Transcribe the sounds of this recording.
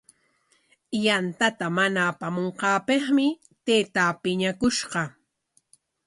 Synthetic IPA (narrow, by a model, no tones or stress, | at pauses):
jant̪at̪amanaːpamoɴqɑːpeχmɪ | t̪eːt̪aːpɪɲakʊʃɢɑ